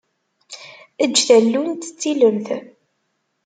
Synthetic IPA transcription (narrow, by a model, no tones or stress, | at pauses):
əd͡ʒːθælːunt̪ə̥t͡sːiləmθ